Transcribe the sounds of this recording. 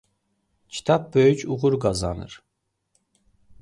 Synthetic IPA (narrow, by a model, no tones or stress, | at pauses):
cʰi̥t̪ʰɑp̚bø̞jycʰuɣuɾɡɑzɑnɯ̰ɾ